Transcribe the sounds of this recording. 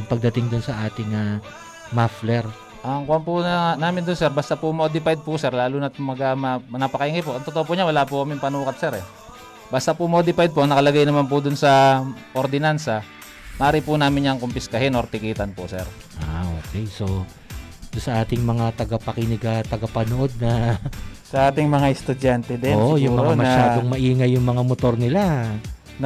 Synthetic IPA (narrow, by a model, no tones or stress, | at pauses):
ɐŋpɐɡ̚d̪ɐt̪ɪŋd̪ʊnsɐʔaːt̪ɪŋa | maflɛɾ | ʔɐŋkʊwampʊnaːmɪnd̪ʊnsɛɾbaːst̪apʊmo̞ːd̪ɪpajd̪̚pʊsɛɾlaːlunɐt̪mɐɡamɐnɐpɐkɐɪŋkɪpʊʔɐŋt̪ot̪oʔop̬oʔɲawɐlapʊkɐmɪŋpɐnuːkɐt̪̚sɛɾɛ | baːst̪apʊmod̪ɪpajd̪̚poɐŋnɐkɐlɐɡajnɐmanpʊd̪ʊnsɐʔoɾd̪ɪnansɐ | mɐʔaːɾɪpʊnaːmɪɲɲɐŋkompɪskɐɦɪnoɾt̪ɪkiːt̪ɐnpʊsɛ̰ɾ | ʔaʔoːkɛjso̞ | d̪ʊnsɐʔaːt̪ɪŋmɐŋat̪ɐɡapɐkɪnɪɡat̪ɐɡɐpɐnoʔo̞d̪̚nɐ | sɐʔaːt̪ɪŋmɐŋaɛst̪ʊd͡ʒant̪ɛd̪ɛnoʔojʊmːmɐɾoanmɐʃaːd̪oŋmɐʔiːŋɐjːʊŋmɐŋamot̪o̞ɾnɪla | n